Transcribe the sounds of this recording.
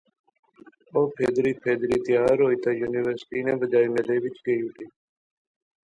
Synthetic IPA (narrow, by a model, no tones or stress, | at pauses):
oːpʰeːd̪ɾiːpʰeːd̪ɾiːt̪ɪjaːɾɦoːiːt̪aːjuːniʋəɾsʈiːnẽːbəd͡ʒaːiːmeːleːʋɪt͡ʃɡəiːʊʈiː